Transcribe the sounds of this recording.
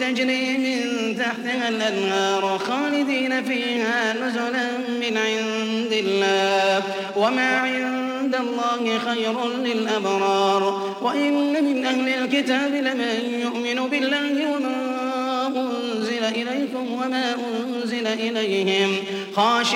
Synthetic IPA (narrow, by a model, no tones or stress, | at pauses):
ad͡ʒɾiːmɪn | t̪aħt̪ɪhalʔanːɑːɾxɑːlɪd̪iːnafiːhaːnʊzʊla | mɪnʕɪn | d̪ɪlːaː | wamaːʕɪn | d̪alˤːɑːhɪxajɾʊlɪlʔabɾˤɑːɾˤ | waʔɪnːamɪnʔahlɪlkɪt̪aːbɪlɪmanjʊʔmɪnuːbɪlːaːhɪwama | ʔʊn | zɪlaʔɪlajkʊmwamaːʔʊn | zɪlaʔɪlajhɪm | xɑːʃ